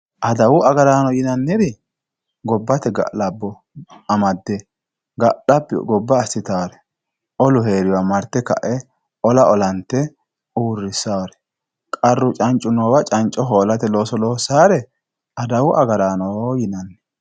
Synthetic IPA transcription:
ʔɐd̪ɐwʊʔɐɡɐɾaːnɔjɪnɐnːɪɾɪ | ɡɔbːɐt̪ɛɡɐ̰ʔlɐbːɔ | ɐmɐd̪ːɛ | ɡɐɗɐpːɛ̰ɡɔbːɐːsːɪt̪awɐɾɛ | ʔɔlʊɦe̞ːɾɪwamɐɾt̪ːɛkɐ̰ʔɛ | ʔɔlɐʔɔlɐnt̪ːɛ | uːrːɪsːawɐɾɛ̥ | kʼɐrːʊt͡ʃʼɐnt͡ʃʼːʊnɔːwɐt͡ʃʼɐnt͡ʃʼɔɦoːlɐt̪ɛlo̞ːsɔlo̞ːsaːɾɛ | ɐd̪ɐwʊʔɐɡɐɾaːnɔjɪnɐnːɛ̥

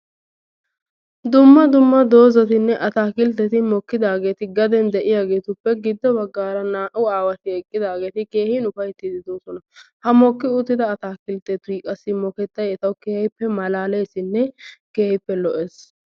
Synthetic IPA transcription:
d̪ʊmːɐd̪ʊmːɐd̪o̞ːzɐt̪ɪnːɛʔɐt̪aːkɪlt̪ːɛt̪ɪmɔkːɪd̪aːɡe̞ːt̪ɪɡɐd̪ɛnd̪ɛʔɪjaːɡe̞ːt̪ʊpːɛɡɪd̪ːɔbɐɡːaːɾɐnaːʔʊaːwɐt̪ɪɛkʼːɪd̪aːɡeːt̪ɪke̞ːhɪnʊfɐjt̪ːɪd̪ɪd̪oːsɔnɐhɐmɔkːɪʊt̪ːɪd̪ɐːt̪aːkɪlt̪ɛt̪ːʊikʼɐsːɪmɔkɛt̪ːɐjɛt̪ɐwkeːhɪpːɛmɐlaːleːsɪnːɛkeːhɪpːɛlɔʔeːs

